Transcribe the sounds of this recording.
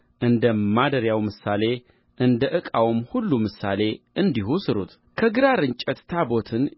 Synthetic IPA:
ʔɨnd̪əmːad̪əɾjawmɨsale̞ | ʔɨnd̪əʔɨkʼawmhulːumɨsa̰le̞ʔɨnd̪iɦusɨɾṵt̪ | kʰəɡɨɾaɾɨɲt͡ʃʼət̪t̪ʰabo̞t̪ʰɨn

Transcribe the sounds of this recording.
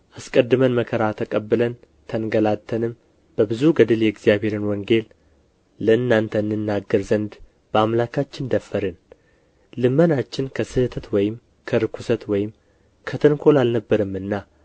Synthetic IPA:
ʔaskʼəd̪ːɨmənməkʰəɾat̪ʰəkʼəbːɨlən | t̪ʰənɡəlat̪ʰːənɨm | b̥əbɨzuɡəd̪ɨljɛɡzijaβhe̞ɾɨnwɔŋɡe̞l | ləɨnːant̪ʰənːɨnːaɡːəɾzənd̪ | b̥əamlakʰat͡ʃːɪnd̪əfːəɾɨn | lɨmːənat͡ʃːɪnkʰəsɨht̪ʰət̪wɔjɪm | kʰəɾɨkʰʷusət̪wɔjɪm | kʰət̪ʰɨnkʰo̞lalnəbːəɾɨmːɨnːa

